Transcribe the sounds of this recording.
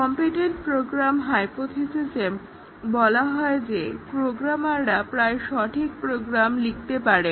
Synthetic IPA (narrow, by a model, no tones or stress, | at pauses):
kɔmpiʈeɳʈpɾoɡɾamɦajpot̪ʰisisem | bɔlaɦɔed͡ʑepɾoɡɾamaɾɾapɾaeʃɔʈʰik̚pɾoɡɾamlik̚ʰt̪epaɾe